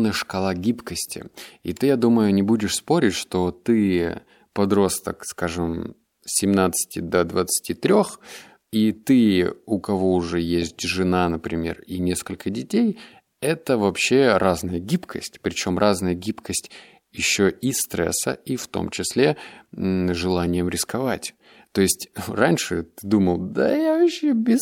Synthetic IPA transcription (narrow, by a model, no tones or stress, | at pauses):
nəjəʂkɐlˠaɡʲipkəsʲtʲɪ̰ḭt̪ɨjad̪uməjʊnʲɪbudʲɪʂspo̞ɾʲɪtʲʂt̪o̞t̪ɨ | pɐd̪ɾo̞st̪ə̰kskaʐɨm | sʲɪmnat̪sɨ̥tʲɪd̪əd̪vət̪sɨ̥tʲit̪ɾʲo̞x | it̪ɨʊkɐvo̞ʊʐɛjesʲtʲʐɨnanəpɾʲɪmʲe̞̰rinʲe̞skəlʲkədʲɪtʲej | ɛt̪əvɐpɕːeɾaznəjəɡʲipkʰəsʲtʲpɾʲɪt͡ɕo̞mrʔaznəjəɡʲipkəsʲtʲ | jɪɕːoʔist̪ɾɛ̰sə̰ift̪o̞̰mt͡ɕɪsʲlʲe | ʐɨlˠanʲɪjəmɾʲɪskɐvatʲ | t̪o̞ɪsʲtʲranʲʂɨt̪ɨd̪uməlˠd̪ajavɐɕːebʲɪ